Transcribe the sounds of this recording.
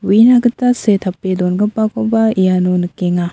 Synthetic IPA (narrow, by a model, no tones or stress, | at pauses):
winaɡɯtːasetʰapːedɔnɡɯpːakʰɔbaijanunɯkeŋa